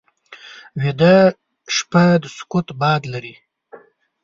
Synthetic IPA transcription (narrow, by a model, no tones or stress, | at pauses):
wed̪a | ʃpad̪əskʊt̪bɑd̪laɾi